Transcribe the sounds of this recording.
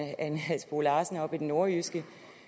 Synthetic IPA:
ænæsb̥oːlɑ̈ːsn̩ɒ̽b̥id̥eno̝ɐysɡ̥ə

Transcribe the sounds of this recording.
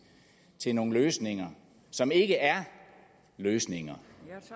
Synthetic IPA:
t͡sʰe̝no̝ːŋn̩løːsne̝ŋɐ | sɒ̽me̝ɡ̥əʔæɐ | løːsne̝ŋɐ

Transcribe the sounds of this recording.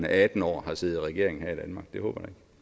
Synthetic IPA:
nəʔæd̥n̩ɒ̰ːhɑ̈seːð̩ˠʁɛɡ̥e̝ɐeŋn̩hæɐid̥ænmɑ̈ːɡ̥̚d̥eho̰ːb̥ɐd̥ɑ̈eɡ̥

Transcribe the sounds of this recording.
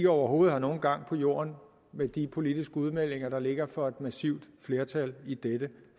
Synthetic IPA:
ɡ̥ɒʊɐɦo̝ːð̩ˠhɑ̈no̝ːn̩ɡ̥ɑ̈ŋ̰pʰɒ̽jo̝̰ːɐn | med̥ipʰo̝lid̥isɡ̥əuð̞ˠmel̰e̝ŋɐɾ̥ɑ̈le̝ɡ̥ɐfɒ̽e̝d̥mæsiʊ̰d̥fle̝ːɐt͡sʰælid̥ed̥ə

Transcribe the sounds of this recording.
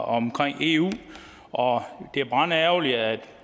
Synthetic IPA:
ɒmkʰʁaŋ̰e̝ṵː | ʔɒ̽d̥e̝æɐb̥ʁɑ̈ːnæʊliæd̥

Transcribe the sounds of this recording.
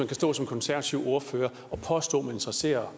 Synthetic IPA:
ænkʰæsd̥ɔ̰ːsɒ̽mkʰɒnsæɐʋæt͡sʰiʊo̝ɐføːɐ | ɒ̽pʰɒ̽sd̥ɔ̰̽ːmæe̝nd̥ʁɐse̝̰ːɐ

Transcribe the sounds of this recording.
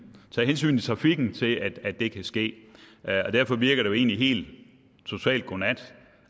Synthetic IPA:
t͡sʰɛ̰ːɦens̬y̰ːn̩t͡sʰe̝t͡sʰʁɑ̈fiɡ̥n̩t͡sʰe̝læd̥æd̥̚e̝kʰæsɡ̥e̝̰ːɒ̽d̥æɐ̰fɒ̽ʋiɐɡ̥ɐɾeoe̝̰ːnliɦe̝̰ːld̥ | t͡sʰo̝t͡sʰɛ̰ːld̥̚ɡ̥onæd̥

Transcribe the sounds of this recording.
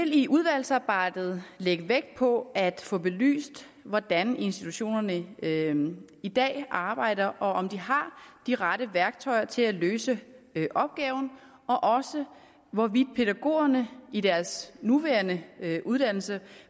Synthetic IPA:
el̰iʔuðˠʋæl̰sɑ̈ːb̥ɑ̈ɪ̰d̥ð̩ˠleɡ̥əʋeɡ̥̚pʰɒ̽æd̥fɔ̽b̥e̝ly̰ːsd̥ | ʋɒd̥æne̝nsd̥i̥t͡sʰuɕo̝̰ːnɐnə | id̥ɛ̰ːʔɑ̈ːb̥ɑ̈ɪ̰ɾ̥ɐʔɒ̽ʔɒ̽md̥iɦɑ̈d̥iʁɑ̈ɾ̥əʋæɐɡ̥̚t͡sʰɒɪɐt͡sʰe̝læløːsəʔɒ̽b̥̚ɡ̥ɛːʊn̩ | ɒ̽ʔɒ̽sə | ʋɒʋid̥̚pʰe̝ɾæɡ̥o̝̰ːɐnəid̥æɐsnuʋæːɐnəʔuð̞ˠd̥æn̰l̩sə

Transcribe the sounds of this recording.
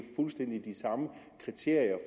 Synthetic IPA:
fulsd̥en̰d̥id̥isɑ̈məkʰʁit͡sʰe̝ɐ̰jɐf

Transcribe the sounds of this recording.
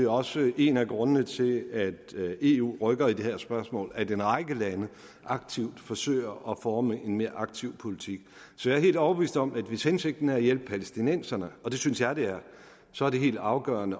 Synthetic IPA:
e̝ɒ̽səe̝næɡ̥ʁɔ̽nənət͡sʰe̝læd̥e̝ṵːʁœɡ̥ɐid̥e̝hæɐ̰sb̥ɶɐsmɔ̰̽ːlæd̥enʁɑ̈ɪɡ̥əlænə | ʔɑ̈ɡ̥̚t͡sʰiʊd̥fɒ̽sø̰ːɪ̰ɐʔɒfɒːməʔe̝nme̝ːɐʔɑ̈ɡ̥̚t͡sʰiʊ̰pʰo̝lit͡sʰiɡ̥ | sɒ̽jɑɐɦe̝̰ːld̥ɒʊb̥ʋḭːsd̥ɒ̽mæd̥ʋeshense̝ɡ̥̚d̥n̩æjel̰b̥əpʰælesd̥inen̰sɐnəɒ̽d̥e̝synsjɑ̈ɪd̥e̝æɐ | sɒ̽æɐd̥e̝ɦe̝̰ːld̥ɑ̈ʊɡ̥ɶ̰ːɐnə

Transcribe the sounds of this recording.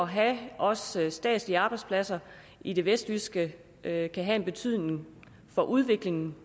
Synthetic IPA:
ɒ̽ɦæʔɒ̽ssd̥ɛ̰ːd̥ˠsliɑ̈ːb̥ɑɪdspʰlæsɐ | id̥e̝ʋesd̥ʋysɡ̥ə | kʰæɦæe̝nb̥e̝t͡sʰyð̞̰ˠne̝ŋ | fɒ̽ʔuð̞ˠʋe̝ɡ̥le̝ŋn̩

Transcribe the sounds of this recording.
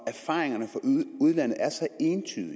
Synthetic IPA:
æɐfɑ̈ːʁeŋɐnəfɒ̽uð̞ˠlæn̰ð̩ˠæɐsɑɪe̝ːnt͡sʰy̰ːðˠi

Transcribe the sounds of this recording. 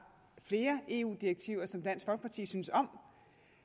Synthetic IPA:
fle̝ːɐʔe̝ṵːd̥ieɡ̥̚t͡sʰiʊ̰ɐsɒ̽md̥æn̰sfɒlɡ̥əpʰɑ̈t͡sʰḭːsynəsɒ̽m̰

